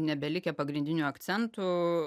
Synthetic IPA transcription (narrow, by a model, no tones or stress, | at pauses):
nʲɛbʲɛlʲɪkʲɛpɐɡɾʲɪnʲd̪ʲɪnʲuːɐkt̪sʲɛnt̪ʊ